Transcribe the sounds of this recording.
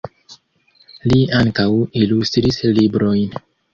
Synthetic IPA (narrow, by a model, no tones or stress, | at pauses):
liaŋkawilust̪ɾislibɾo̞jn